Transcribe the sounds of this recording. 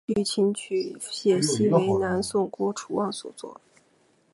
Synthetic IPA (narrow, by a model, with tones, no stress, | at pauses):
ly˥˩t͡ɕʰi˧˥ŋt͡ɕʰy˨˩ɕjɛ˨˩ɕi˥e˧˥ɪna˧˥nsʊ˥˩ŋkwɔ˥ʈ͡ʂʰu˧˥wɑ˥˩ŋswɔ̰˨˩t͡swɔ̰˥˩